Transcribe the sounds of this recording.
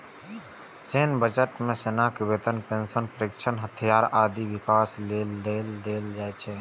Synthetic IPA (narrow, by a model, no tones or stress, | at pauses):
t͡ʃeːnbəd͡ʒəʈmẽseːnakɪbeːt̪ənpẽːnsənpəɾɪkʃənɦət̪ʰijaːɾaːd̪iʋɪkaːsleːlːeːld̪eːld͡ʒaːet͡ʃʰeː